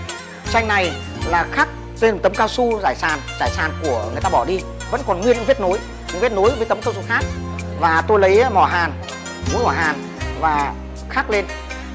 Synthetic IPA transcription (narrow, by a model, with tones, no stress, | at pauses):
sa˧jŋ̟na˨˩j | laː˨˩xaː˦˥k̚ | t̪e˧n̚˨˩t̪ə˨˦ŋ͡mkaː˧wsu˧zaː˧˩jsaː˨˩nzaː˧˩jsaː˨˩nku˧˩əŋɨ˨˩jt̪aː˧ɓɔ˧˩ɗi˧ | və̰˧˥nkɔ˨˩nŋi˧nɲɨ̰˧ŋvi˦˥t̚no˨˦j | ɲɨ̰˧˥ŋvi˦˥t̚no˨˦jvəː˨˦t̪ə˨˦mŋ͡mkaː˧wsu˧xaː˦˥k̚ | vaː˨˩t̪o˧jlə˨˦jmɔ˧˩ɦaː˨˩n | mu˨˦nmɔ˧˩ɦaː˨˩n | vaː˨˩ | xaː˦˥k̚le˧n